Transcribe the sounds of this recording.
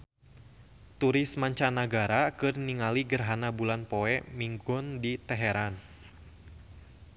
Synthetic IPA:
t̪uɾɪsmaɲt͡ʃanaɡaɾakɨrniŋaliɡərɦanabulanpoɛmiŋɡʊndit̪ɛɦɛɾan

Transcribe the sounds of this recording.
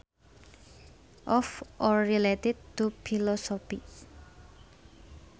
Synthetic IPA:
ʔɔfɔɹiletɪd̚tupʰilɔsɔpi

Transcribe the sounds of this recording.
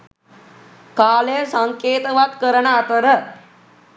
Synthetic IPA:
kalesəŋket̪əʋat̪kəɾəɳat̪əɾə

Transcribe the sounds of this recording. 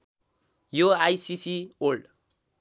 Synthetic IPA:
joajsisiolɖ

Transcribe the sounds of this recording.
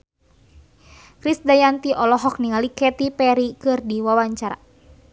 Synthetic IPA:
kɾisdajant̪iʔɔlɔɦɔk̚niŋalikɛt̪ipɛɾikɨrdiwawaɲt͡ʃaɾa̰

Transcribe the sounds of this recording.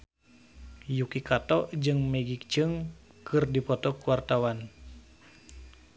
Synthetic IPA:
jukikat̪ɔʔd͡ʒɨŋmɛɡik̚t͡ʃɨŋ | kʰɨrdipɔt̪ɔkuwart̪awan

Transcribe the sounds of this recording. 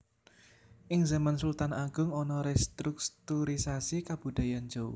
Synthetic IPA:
ʔɪŋzamansult̪anaɡ̥ʊ̤ŋɔnɔɾɛst̪ɾuk̚t̪uɾisasikab̥ṳd̪̥a̤jand͡ʒow

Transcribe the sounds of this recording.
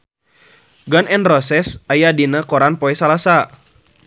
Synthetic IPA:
ɡanɛnrɔsɛsajadinakɔɾanpoɛsalasa

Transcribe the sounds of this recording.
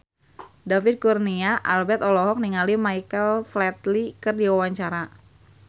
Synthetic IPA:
david̚kurniaʔalbɛt̪ɔlɔɦɔk̚niŋalimajkəlflɛt̪likɨrdiwawaɲt͡ʃaɾa

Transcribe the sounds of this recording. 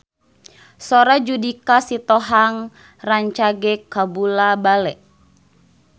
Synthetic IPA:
sɔɾad͡ʒudikasit̪ɔɦaŋ | raɲt͡ʃaɡɛkːabulabalɛʔ

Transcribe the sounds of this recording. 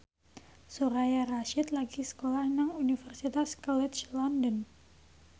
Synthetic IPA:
soɾajaraʃit̪laɡisə̥kolahnaŋunifərsit̪askalɛt̪̚t͡ʃlɔndən

